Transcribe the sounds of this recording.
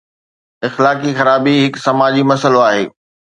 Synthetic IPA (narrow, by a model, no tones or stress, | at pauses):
ɪxlaːk̬ixɐɾaːbiɦɪksɐmaːd͡ʑimɐsəloaːɦḛː